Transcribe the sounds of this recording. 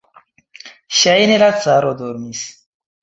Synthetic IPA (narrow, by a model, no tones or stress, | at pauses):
ʃajnelat͡saɾod̪oɾmis